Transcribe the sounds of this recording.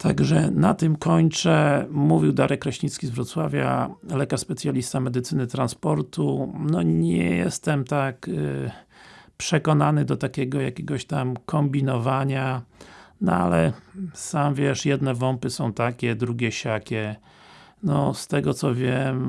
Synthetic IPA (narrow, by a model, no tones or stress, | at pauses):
t̪ʰa̰ɡʐɛnat̪ɘmkɔɲt͡ʂɛmuvʲiwd̪aɾɛkːɾɔɕɲit̪skʲizvɾɔt̪swavʲja̰lɛkaʂspɛt̪sʲjalʲist̪amɛd̪ɘt̪sɘnɘt̪ɾanspɔɾt̪unɔɲɛ̰jɛ̰st̪ɛmt̪ak | pʂɛkɔnanɘd̪ɔt̪akʲɛɡɔjakʲɛɡɔɕt̪amkʰɔmbʲinɔvaɲa | nɔ̰a̰lɛsamvʲjɛʂjɛd̪nɛvɔmpɘsɔ̃w̃t̪akʲɛd̪ɾuɡʲɛɕakʲɛ | nɔst̪ɛɡɔt̪sɔvʲjɛm